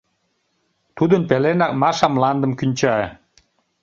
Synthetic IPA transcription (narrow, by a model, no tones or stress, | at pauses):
t̪ud̪ənpelenɑk̚mɑʃɑmlɑnd̪ə̆mkynʲt͡ɕɑe